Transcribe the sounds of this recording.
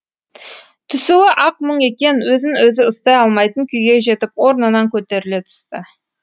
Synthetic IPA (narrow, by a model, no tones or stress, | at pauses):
t̪ʰʏsuɪʔɑq̚məɴe̞kʲe̞nwɵzɪnwɵzɪʊst̪ɑjɑlˠmɑjt̪əŋkʲʰʏjɡʲe̞ʒe̞t̪ɪpwo̞ɾnənɑŋkʲʰɵt̪e̞ɾɪlet̪ʰʏ̥st̪ə